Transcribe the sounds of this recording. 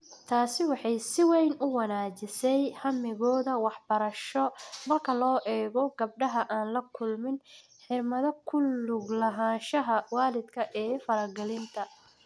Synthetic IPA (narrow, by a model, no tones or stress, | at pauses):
t̪ʰaːsɪwɑħɑjsɪwɛjnʊwɐnaːt͡ʃɪsɛjhɐmɪɣɔːðɐwɑħbɐɾɐʃɔmɐrkʰɐlɔːʔɛːɣɔɡɐb̚ɖɐɦɐʔaːnlɐkʰʊlmɪn | ħɪɾmɐðɐkʰʊlʊɡlɐɦaːʃɐɦɐwaːlɪd̪kʰɐʔɛːfɐɾɐɡɛlɪnt̪ʰɐ